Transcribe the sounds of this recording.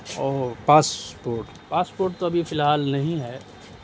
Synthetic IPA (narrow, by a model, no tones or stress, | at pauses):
ɔːɾpaːspoːɾʈ | paːspoːɾʈ̚t̪oɐbʱifɪlɦaːlnɐɦĩɦɛː